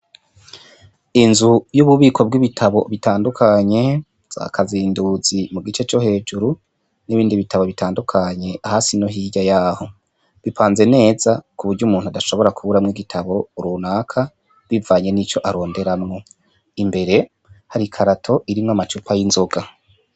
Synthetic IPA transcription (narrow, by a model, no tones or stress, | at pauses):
inzujuβuβiːkʰo̞b̚ɡiβitʰaβo̞βitaːndukʰaɲe̞ | z̥a̰kʰaziːnduz̥imuɡit͡ʃe̞t͡ʃo̞he̞ːd͡ʒuɾu | niβiːndiβitaβo̞βitʰaːndukʰaɲe̞ʔahaːsinoɦiːɟajaːho̞ | βipʰaːnze̞ne̞ːz̥akuβuɾɟuːmuːn̥huadaʃo̞βo̞ɾakuβuɾamŋiɡitʰaβo̞uɾunaːkʰa | βivaːɲe̞nit͡ʃo̞ʔaɾo̞ːnde̞ɾamŋo̞ | imbe̞ɾe̞ | haɾikʰaɾatʰo̞ʔiɾimŋamat͡ʃupʰajinzo̞ɡa